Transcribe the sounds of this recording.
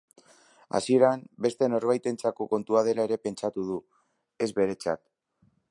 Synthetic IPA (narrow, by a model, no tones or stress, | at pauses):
a̰sie̞ɾambe̞st̪e̞no̞ɾβ̞ajt̪e̞nt͡sako̞ko̞nt̪uað̞e̞laeɾe̞pe̞nt͡ʃat̪uð̞u | e̞zβe̞ɾe̞t͡sa̰t̪